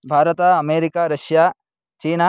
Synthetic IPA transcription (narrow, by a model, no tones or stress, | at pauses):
bʱaːɾɐt̪aɐmeːɾikaːɾɐʃjaː | t͡ʃiːna